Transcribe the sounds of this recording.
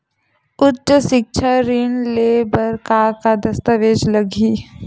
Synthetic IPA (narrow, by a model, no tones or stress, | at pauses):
ʊtːəsɪk̚t͡ʃʰaɾɪnleːbəɾkaːkad̪ɐst̪əʋeːd͡ʒləɡiː